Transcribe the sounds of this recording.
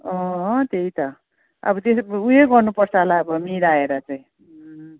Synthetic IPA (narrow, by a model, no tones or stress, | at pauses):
ʌt̪eit̪ʌ | ʌ̰bʌt̪esujeɡʌrnupʌrt͡sʰʌlaʌbʌmiɾaeɾʌt͡saj̃